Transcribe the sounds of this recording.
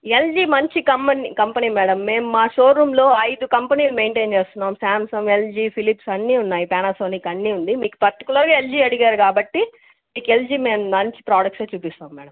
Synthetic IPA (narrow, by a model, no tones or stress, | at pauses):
e̞ld͡ʒiːmɐɲt͡ʃikɐmːɐnikɐmpɐniːmɛːɽɐmːe̞ːmumaːʃoːɾːuːmlo̞ːɐjd̪ukɐmpɐniːlume̞ːɳʈe̞ːnt͡ʃe̞ːst̪unːaːmsaːmsɐmeld͡ʒiːpʰilipsɐnːiːunːaːjipaːnaːsoːniːkɐnːiːund̪imiːku̥pɐɾʈikjulɐɾɡaːeld͡ʒiːɐɽiɡaːɾukaːbɐʈːi | miːkeld͡ʒiːme̞ːmːɐɲt͡ʃi̥pɾaːɽɐkʈseːt͡ʃuːpist̪aːmmːɛːɽɐm